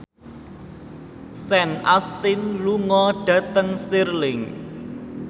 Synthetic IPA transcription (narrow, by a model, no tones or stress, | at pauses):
sɛnʔast̪ɪnluŋɔɖ̥ä̤t̪əŋst̪irlɪŋ